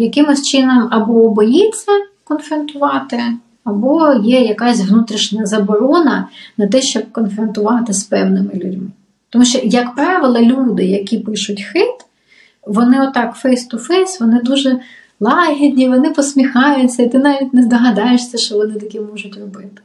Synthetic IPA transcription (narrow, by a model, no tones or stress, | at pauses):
jɐkɪmɪst͡ʃɪnɔmɐbɔːbɔjit͡sʲːɐkɔnfɾɐnt̪ʊʋɑt̪ɪ | ɐbɔjɛjɐkɑsʲʋnut̪ɾʲiʃnʲɐzɐbɔɾɔnɐnɐt̪ɛʃt͡ʃɔb̚kɔnfɾɐnt̪ʊʋɑt̪ɪspɛwnɪmɪlʲʊdʲmɪ | t̪ɔmuʃt͡ʃɔjɐkpɾɑʋɪlˠɐlʲud̪ɪjɐkʲipɪʃʊtʲxɪt̪ | ʋɔnɪɔt̪ːɑkfɛjst̪ʊfɛjsʋɔnɪd̪uʒɛ | lˠɑɦʲidʲnʲiʋɔnɪpɔsʲmʲixɑjʊtʲt͡sʲːɐit̪ɪnɑʋʲitʲnɛzd̪ɐɦɐd̪ɑjɪʃsʲɐʃt͡ʃɔʋɔnɪt̪ɐkʲimɔʒʊtʲrɔbɪt̪ɪ̥